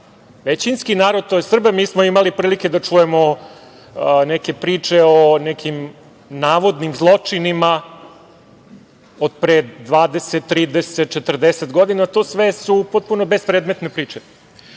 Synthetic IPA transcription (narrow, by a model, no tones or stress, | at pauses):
ʋet͡ɕinskinaːɾod̪̚t̪o̞jesr̩bamiːsmoimalipɾiːlike̞d̪at͡ʂuje̞mo | neke̞pɾiːt͡ʂeonekʰim | naːʋo̞d̪nimzlˠo̞t͡ʂinima | od̪̚pɾed̪ʋaːd̪e̞set̪ːɾiːd̪eset̪̚t͡ʃet̪r̩d̪eset̪ɡo̞d̪inat̪o̞sʋesupot̪̚punobespɾed̪me̞t̪nepɾiːt͡ʂe